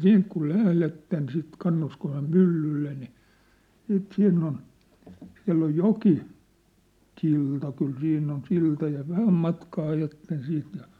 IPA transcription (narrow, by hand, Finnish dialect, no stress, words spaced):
siːnt ku læhletːen sit kɑnːuskosem mylːylːe ni siːt siːnː on siæ̝lː oj joki silˑtɑ kyl siːnː on siltɑ jɑ ʋæhæm mɑtkɑː ɑjɑtːen siːnt jɑ